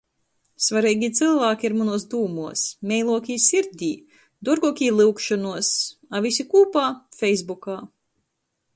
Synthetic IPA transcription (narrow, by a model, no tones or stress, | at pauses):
svaɾiːɡʲit̪sɨlˠvaːkʲiiɾmunuɔsd̪uːmuɔsmʲɛjlˠuɔkʲiːsiɾd̪ʲiː | d̪uɾɡuɔkʲiːlˠɨwkʃɔnuɔsavisʲikuːpaːfʲɛjzbukaː